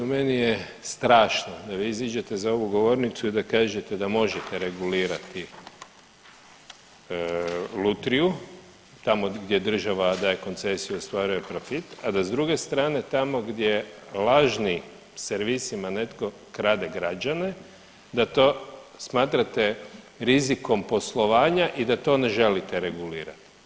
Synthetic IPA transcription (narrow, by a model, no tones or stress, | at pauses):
umenije | st̪ɾaːʃnod̪aʋiizid͡ʒet̪e̞zao̞ʋuɡo̞ʋo̞ɾnit̪suid̪akaːʒe̞t̪ed̪amo̞ʒet̪eɾe̞ɡuliːɾat̪i | lut̪ɾiju | t̪amoɡd̪je̞d̪r̩ʒaʋad̪aːje̞ko̞nt̪se̞sijuost̪ʋaɾuje̞pɾo̞fit̪ad̪azd̪ɾuɡe̞st̪ɾaːne̞t̪amo̞ɡd̪jelaʒni | seɾʋisimane̞t̪ko̞ | kɾaːd̪e̞ɡɾad͡ʒane | d̪at̪o̞ːsmaːt̪ɾat̪e̞ | ɾiziko̞mpo̞slˠo̞ʋaːɲaʔid̪at̪o̞ne̞ʒe̞lit̪eɾe̞ɡuliːɾa̰t̪i̥